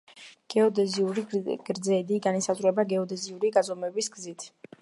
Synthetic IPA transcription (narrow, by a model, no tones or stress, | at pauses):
ɡ̥ɛɔd̪ɛziuɾiɡ̥ɾd̪zɛd̪iɡanisazɾuɛbaɡɛɔd̪ɛziuɾiɡazɔmɛbisɡzit̪ʰ